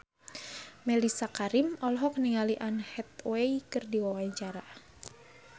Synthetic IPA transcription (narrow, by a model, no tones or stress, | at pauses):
mɛlisakaɾimɔlɔɦɔkəniŋaliʔanhɛt̪̚wɛikɨrdiwawaɲt͡ʃaɾa